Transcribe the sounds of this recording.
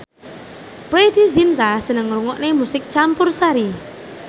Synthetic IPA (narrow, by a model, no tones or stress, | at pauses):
pɾed̪̥izint̪asənəŋɾuŋɔʔnemusɪk̚t͡ʃampʊrsaɾi